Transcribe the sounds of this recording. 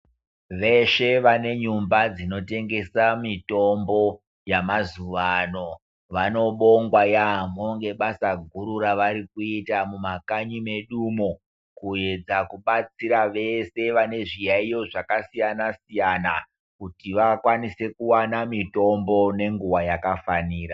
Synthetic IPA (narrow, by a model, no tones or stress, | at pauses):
ʋe̞ʃe̞ʋane̞ɲumbad͡zino̞te̞ŋɡe̞samito̞mbo̞ | jamazuʋano̞ | ʋano̞ɓo̞ŋɡwajamoŋɡe̞ɓasaɡʱuɾuɾaʋaɾikuitamumakaɲime̞ɗumo | kue̞d͡zakuɓat͡siɾaʋe̞se̞ʋane̞ʐijaijo̞ʐakasijanasijana | kutiʋakwanise̞kuwanamito̞mbo̞ne̞ŋɡuwajakafaniːɾa